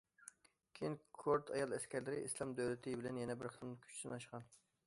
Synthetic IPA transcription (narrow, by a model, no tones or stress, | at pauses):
kʲʰejinkʰoɾt̪ʰɑjɑlˠɛskʲæɾlɪɾɪ̰ʔislˠɑmd̪øwlɪt̪ʰɪbɪlɛnjɛnɛbɪɾχʰənkʲʰy̥t͡ʃʰsɪnɑʃqɑn